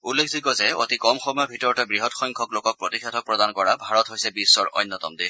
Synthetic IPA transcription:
ulːekʰziɡɔzɛo̰tikɔmxɔmɔjɔbʱitɔɹɔtɛɡɹiɦɔtxɔjŋkʰɔklokɔk̚pɹotikʰatʰɔk̚pɹɔdankɔɹabʱaɹɔtɦojsɛbisːɔɹɔ̰jnːɔt̪ɔmd̪i

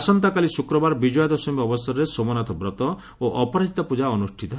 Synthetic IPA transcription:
sɔnt̪akalisukɾɔbaɾbid͡ʒɔjɔd̪ɔsɔmiɔbɔsɔɾɔɾesomɔnat̪ʰɔbɾɔt̪ɔ | oʔɔpɔɾad͡ʒit̪ɔpud͡ʒaɔnusʈʰit̪ɔ

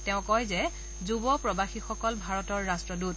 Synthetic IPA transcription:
tɛʊ̃kɔjzɛ | zubɔpɹɔbaxixɔkɔlbʱaɹɔtɔɹːastɹɔdut̚

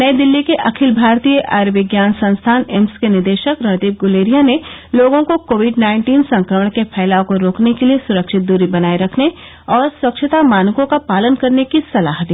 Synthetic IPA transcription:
nɐed̪ɪlːikeʔɐkʰɪlbʱaːɾt̪ijəʔaɾʋɪɡjaːnsɐ̃nst̪ʰaːnɛmskenɪɾd̪eːʃəkɾɐd̪eːp̚ɡʊleːɾijaneloːɡõkokoːʋɪɖnaːɪ̃ɳʈiːnsɐ̃ŋkɾəməɽɳ̃kepʰɛːlaːõkoɾoːknekeliesʊɾəkʃɪt̪̚d̪uːɾibɐnaːiɾɐkʰne | ɔːɾswɐkʃʰɪt̪amaːnkõkapaːlənkɐɾnekisɐla̰ːɦd̪iː

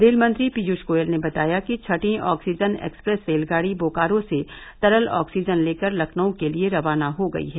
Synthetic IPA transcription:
d̪eːlmɐ̃nt̪ɾipid͡ʒuʃkoːjəlnebɐt̪aːjakit͡ʃʰɐʈĩʔɔːksiːd͡ʒənɛ̰ːkspɾɛːsfeːlɡaːɽiboːkaːɾõse | t̪ɐɾəlɔ̰ːksiːd͡ʒənleːkəɾlɐkʰnõkelieɾɐʋaːnaɦoɡɐ̰ḭɦɛː

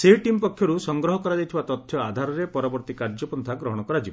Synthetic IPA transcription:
seɦiʈimpɔkʰːjɔɾusɔŋɡɾɔɦɔkɔɾad͡ʒajt̪ʰibat̪ɔt̪ʰːjɔad̪ʱaɾɔɾepɔɾɔbɔɾt̪ikaɾd͡ʒɔpɔnt̪ʰaɡɾɔɦɔɽ̃ɔkɔɾad͡ʒibɔ

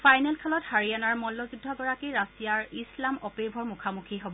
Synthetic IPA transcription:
fajnɛlkʰalɔthaɹianaɹmɔlːɔzudʱːɔɡɔɹakiɹasijaɹislamɔpebʱɔɹmukʰamukʰiɦobɔ

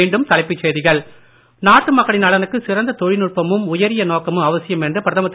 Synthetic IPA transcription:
eːɳɖɯmt̪ɐɭɪpːɯt͡ʃːeːðɪɣɐɭ | naːʈːɯmɐkːɐɽɪnɐɭɐnɯkːɯsɪɾɐnd̪ɐt̪ɔɻɪnɯɻpɐmɯmʊjɐɾɪjɐnoːkɐmɯmɐʋɐsɪjɐmɛndrɯpɪɾɐðɐmɐt̪ː

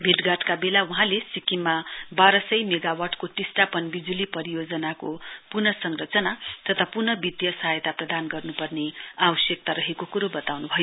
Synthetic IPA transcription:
bʱiʈɡaʈkabelauɦãlesikimːabaɾʌsʌjmeɡawarʈkoʈisʈapʌnbid͡zulipʌɾijod͡zʌnakopurnʌsʌŋrʌt͡sʌnat̪ʌt̪ʰapurnʌbit̪jʌsʌɦajt̪aprʌd̪anɡʌrnupʌrneabʌsjʌk̚t̪aɾʌɦekokuɾobʌt̪awnubʱʌjo

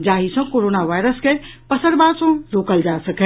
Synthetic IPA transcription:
d͡ʑaːɦisãkoːɾoːnaʋaːɪɾəskʰepɐsəɾbaːd̪sõɾoːkəld͡ʑaːsɐkʰe

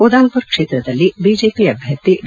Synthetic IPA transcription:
od̪aːlpʊɾkʂeːt̪ɾɐd̪ɐlːibiːd͡ʒeːpiɐbʱjɐt̪ːi

